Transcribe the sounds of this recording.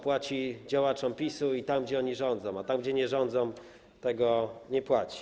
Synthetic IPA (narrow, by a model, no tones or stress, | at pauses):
pwat͡ɕid͡ʑawat͡ʂɔmpʲisuit̪amɡ̚d͡ʑɛɔɲiʐɔnd̪zɔ̃w̃at̪amɡd͡ʑɛɲɛʐɔnd̪zɔ̃w̃m | t̪ɛɡɔɲɛpwat͡ɕi̥